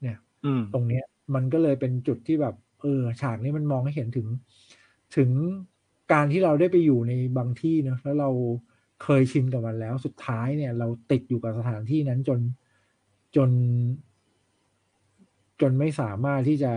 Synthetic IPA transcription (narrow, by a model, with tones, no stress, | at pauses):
ni˥˩ɐ | t̪o˧ŋni˦˥ɐ | ma˧nkɔː˥˩lɤː˧jpe˧nt͡ɕu˨˩t̪ʰːiː˥˩bɛː˨˩p̚ʔɤː˧t͡ɕʰaː˨˩k̚niː˦˥ma˧nmɔː˧ŋha˥˩jhe˩˦nt̪ʰɯ˩˦ŋ | t̪ʰɯ˩˦ŋ | kaː˧nt̪ʰiː˥˩ɾa˧wdaː˥˩jpa˧jːuː˨˩na˧jbaː˧ŋt̪ʰiː˥˩nɔ˦˥lɛː˦˥wɾa˧w | kʰɤː˧jt͡ɕʰi˧mka˨˩ma˧nlɛː˦˥wsu˨˩t̪ʰːaː˦˥jni˥˩ɐɾa˧wt̪i˨˩t̪̚juː˨˩ka˨˩p̚sa˧t̪ʰaː˩˦nt̪ʰiː˥˩na˦˥nt͡ɕo˧n | t͡ɕo˧n | t͡ɕo˧nma˥˩jsaː˩˦maː˥˩t̪ʰːiː˥˩t͡ɕa˨˩